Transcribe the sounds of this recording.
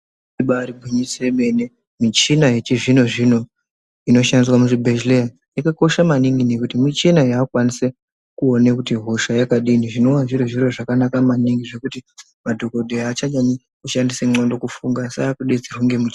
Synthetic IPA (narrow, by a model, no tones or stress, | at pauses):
iɓaːɾibʱiɲisreɓe̞ne | mit͡ʃinajet͡ʃiʐino̞ʐino̞ | ino̞ʃandiswamuʐibʱed͡ʒleja | jakako̞ʃamaniŋɡine̞kutimit͡ʃinajaːkwanise | kuonekutiɦoʃajakaɗiniʐino̞waʐiɾoʐiro̞ʐakanakamaniŋɡiʐe̞kuti | madʱo̞ko̞dʱeaːt͡ʃaɲani | kuʃandiseŋ͡ǀondo̞kufuŋɡasaakuɗed͡ziruŋɡe̞mit͡ʃ